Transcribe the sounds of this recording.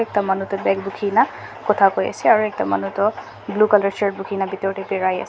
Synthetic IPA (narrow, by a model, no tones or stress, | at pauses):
ɛk̚tamanutɔbɛkbukʰinakɔtʰakoja̰sɛaɹuɛk̚tama̰nutɔ | blukalaɹsaɹt̚bukʰinabitɔɹtɛpɛɹaja̰s